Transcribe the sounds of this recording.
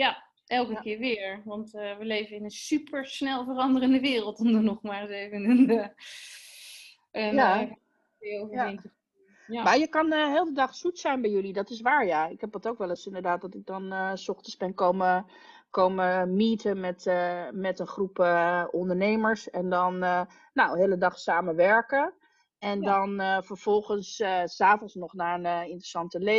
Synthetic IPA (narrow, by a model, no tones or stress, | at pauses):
ja | ʔɛlˠkəkɪːɹʋɪːɹʋɑntʋəlejvənɪnənsypʰəɹsnɛlˠvərɑndərəndəʋɪːrəlˠtɔmdənɔχmaːɹsevənən | əja | ɪovaɛntə | jmaːjəkɑnəɦeːlˠdədɑχsutsɛjnbɛjɵlidɑtɪs̬ʋaːɹjaɪkɦɛp̚dɑtowkʋɛləsɪndəɹdaːt̚dɑtɪɡ̚dɔnəsɔχtəzbɛnkowmə | kowməmiːtəmɛtmɛtənχrupəɔndəɹnejməɹsɛndɑnː | awɦeːlədɑχsaːmənʋɛɹkə | ɛndɑnfəɹv̥ɔlˠχənsːaːfɔnsnɔχnaːənəɪntrəsɑntəle